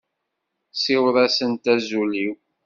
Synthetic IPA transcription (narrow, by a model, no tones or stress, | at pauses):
siwɾæsənt̪æzuliw